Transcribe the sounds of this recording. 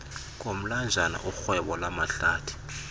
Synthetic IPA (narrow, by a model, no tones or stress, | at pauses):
ŋ̬ʼom̩land͡ʒʱana̰ʔuxwɛɓɔlamaɬaːtʰu̥